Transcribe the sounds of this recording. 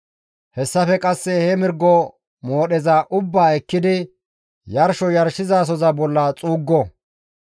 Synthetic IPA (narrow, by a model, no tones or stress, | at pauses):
hɛsːɐfɛkʼɐsːɛhɛmɪɾɡɔ | moːɗɛzɐʔʊbːaːɛkːɪd̪ɪ | jɐɾʃɔjɐɾʃɪzaːs̬ɔzɐbɔlːɐt͡sʼuːɡːɔ